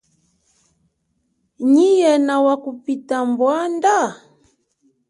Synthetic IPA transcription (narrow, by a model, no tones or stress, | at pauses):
ɲijɛnawakupitambwanda